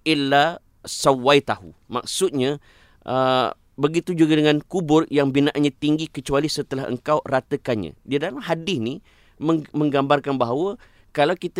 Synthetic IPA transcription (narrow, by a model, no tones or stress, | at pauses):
ʔɪlːa | sawajt̪ahṵma̰k̚sʊt̪̚ɲã | ʔə | bəɡit̪ud͡ʒuɡadəŋãnkubʊrjaŋbinãʔanɲãt̪iŋɡikət͡ʃualisət̪əlaɦə̰ŋkawrat̪əkanɲã̰diadalamɦadɪsni | məmə̃ŋɡambarkanbaɦawə | kalawkit̪